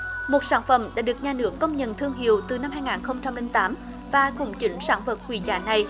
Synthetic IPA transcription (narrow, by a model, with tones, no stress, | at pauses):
mo˨˩t̚saː˧˦nfə̰˧˩mɗa̰ː˧˥ɗɨ˨˩ək̚ɲaː˨˩nɨ˧˥əkːə˧wŋ͡mɲə̰˧˨nt̪ʰɨ˧əŋɦḭ˨˧˩əwt̪ɨ˨˩na˧mɦaː˧jŋaː˨˩nxə˧wŋ͡mt͡ɕa˧mli˧ŋt̪aː˨˦m | vaː˨˩kʊ̰˧˩ŋ͡mt͡ɕi˨˦ŋsa̰ː˧˥nvə˨˩t̚hwḭ˧˩za̰ː˧˩na˨˩j